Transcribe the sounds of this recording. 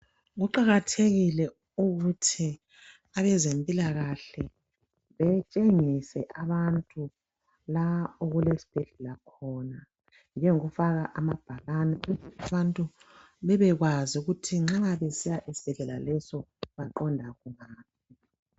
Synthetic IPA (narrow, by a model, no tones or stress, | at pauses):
ɣuǃaɣatʰeɣilɛ | uɣutʰi | aβɛzempʼilaɣaɬɛ | βɛt͡ʃʼeŋisɛʔaβantʼu | laoɣulesi̥b̥ʱɛɮɛlakʰɔna | nd͡ʒʱɛŋuɣufaɣaʔamab̥ʱaɣanɛuɣutʰiaβantʼu | βɛβɛɣwazuɣutʰiŋ͡ǁaβesijaʔisi̥b̥ʱɛɮɛlalɛsɔβaǃɔndʱaɣuŋaːp̚ʰi